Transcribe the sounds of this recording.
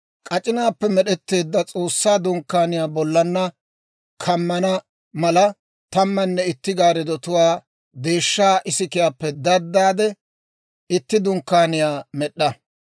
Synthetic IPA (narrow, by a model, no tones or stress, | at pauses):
kʼɐt͡ʃʼɪnaːpːɛmɛɗɛt̪ːe̞ːd̪ːɐt͡sʼo̞ːsːaːd̪ʊŋkːaːnɪjaːbɔlːɐnːɐ | kʰɐmːɐnɐ | mɐlɐ | t̪ɐmːɐnːɛɪt̪ːɪɡaːɾɛd̪ɔt̪ʊwaː | d̪e̞ːʃːaːʔɪsɪkɪjaːpːɛd̪ɐd̪ːaːd̪ɛ | ɪt̪ːɪd̪ʊŋkːaːnɪjaːmɛɗːɐ